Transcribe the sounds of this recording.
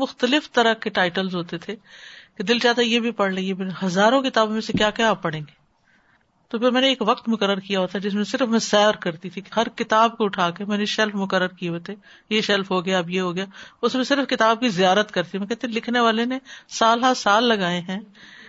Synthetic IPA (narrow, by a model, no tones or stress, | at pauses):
mʊxt̪əlɪft̪ɐɾəkeʈaːɪʈəlzɦoːt̪et̪ʰeːked̪ɪlt͡ʃaːt̪ajebʱipɐɽ̤leiebeɦɐzaːɾõkɪt̪aːbõmẽsekjaːkɛaːpːɐɽ̤ẽːŋɡeː | t̪opʰɪɾmɛːneːkʋɐqt̪mʊkəɾːəɾkijaɦoːt̪ad͡ʒɪs̬mẽsɪɾəfmɛ̃sɛːɾkɐɾt̪it̪ʰikɦɐɾkɪt̪aːbkoʊʈʰaːkemɛːneʃɛlfmʊkəɾːəɾkijeɦoːt̪ʰe | jeʃɛlfɦoɡɐjaɐbjeɦoːɡɐjaːʊsmẽsɪɾfkɪt̪aːb̚kizijaːɾət̪kɐɾt̪imɛ̃kɛːɦt̪ẽlɪkʰneʋaːlenẽsaːlɦasaːlːɐɡaːeɦɛ̃ː